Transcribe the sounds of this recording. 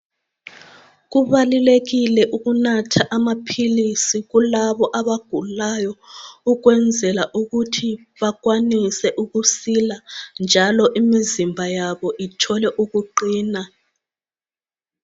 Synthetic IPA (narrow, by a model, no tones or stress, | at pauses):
ɣuβaluleɣilɛʔuɣunatʰaʔamapʰilisiɣulaβɔʔaβaɡ̥ʱulajɔuɣwɛnd͡zʱɛlaʔuɣutʰi | βaɣwanisɛʔuɣusiland͡ʒʱalɔʔimizimbʱajaβɔʔitʰɔlɛʔuɣuǃiːna